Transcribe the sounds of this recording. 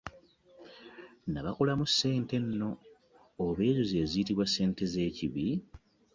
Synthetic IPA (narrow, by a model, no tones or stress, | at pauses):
naβakolamusːe̞ːnte̞nːo̞ː | βe̞ːzoze̞ːziːtiβwasːe̞ːnte̞ze̞ːciβi